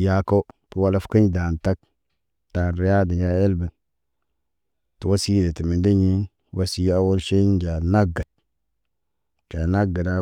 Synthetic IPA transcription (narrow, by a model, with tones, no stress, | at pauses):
ja˦ko˦b̥ə˦wa˦la˦fkə˦ɲda˨nta˦k̚ | d̥a˨nɾi˨ja˦də˨ja˦e˦lbə˨n | tu˨wa˦si˦de˨ti˨mi˨ndə˦ɲi˦n | wa˦si˦a˦wo˦lʃe˦n˦d͡ʒa˨na˦ɡa˨d̚ | d͡ʒa˨na˦ɡə˨da˦